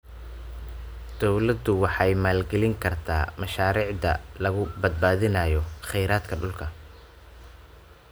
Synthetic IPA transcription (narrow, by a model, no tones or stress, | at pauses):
d̪̥ɔwlɐd̪ʊwɑħɑjmaːlɡɛlɪŋkʰɐrt̪ʰa̰ːmɐʃaːɾiːʕd̪ɐ̰lɐɣʊbɐd̪̚baːðɪnɐːjɔχɛjɾaːd̪kʰɐɖʊlkʰɐ